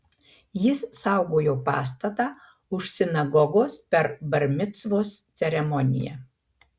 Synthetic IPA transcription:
jɪssɑˑʊɡoːjoːpɑ̰ːst̪ɐt̪ɑː | ʊʃsʲɪnɐɡɔɡoːspʲɛɾbɐɾʲmʲɪt̪sʋoːst̪sʲɛɾʲɛmɔnʲɪ̰jɛ̰ː

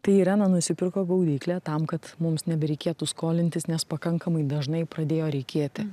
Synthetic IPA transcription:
t̪ɐɪɪɾʲæːnɐnʊsʲɪpʲɪɾkoːɡɐʊd̪ʲiːklʲæːt̪ɐmkɐt̪mʊmsnʲɛbʲɛɾʲɛɪkʲeɛt̪uskoːlʲɪnt̪ʲɪsnʲɛspɐkɐŋkɐmɐɪd̪ɐʒnɐɪpɾɐd̪ʲeːjoːɾʲɛɪkʲeːt̪ʲɪ

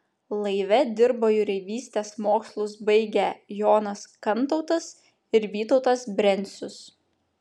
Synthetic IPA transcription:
lˠɐɪʋʲɛd̪ʲɪɾboːjʊɾʲɛɪʋʲiːsʲt̪ʲeːsmoːkslˠʊsbɐɪɡʲɛjoːnɐskɐnˑt̪ɔʊt̪ɐs | ɪɾʋʲiːt̪ɔʊt̪ɐsbʲɾʲɛnʲˑsʲʊs

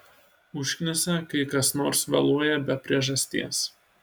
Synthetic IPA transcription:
ʊʃʲkʲnʲɪsʲɛkɐɪkɐsnoːɾsʋɐ̰lˠuɔjɛbʲɛpʲɾʲiɛʒɐsʲt̪ʲḭɛs

